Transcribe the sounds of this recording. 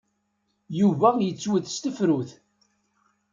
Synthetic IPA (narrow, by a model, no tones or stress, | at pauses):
juvæjət͡sːwəθst̪əfɾuθ